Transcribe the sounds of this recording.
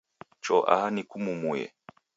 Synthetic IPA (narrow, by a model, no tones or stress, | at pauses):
t͡ʃɔʔa̰hanikumumujɛ̰